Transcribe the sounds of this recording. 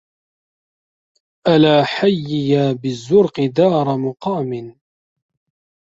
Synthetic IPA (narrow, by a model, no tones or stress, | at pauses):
ʔalaːħajːɪjaːbɪzːʊɾqɪd̪ɑːɾˤɑmʊqɑːmɪn